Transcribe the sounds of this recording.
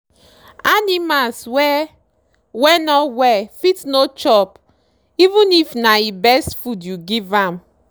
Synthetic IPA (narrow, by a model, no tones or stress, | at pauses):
animalswɛ | wɛnɔwɛfitnot͡ʃɔp | ivũnifnaibɛstfudjuɡivãm